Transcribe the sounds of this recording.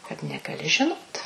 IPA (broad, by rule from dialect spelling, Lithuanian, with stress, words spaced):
kɐt nʲɛɡɐˈlʲɪ ʒʲɪˈnoːt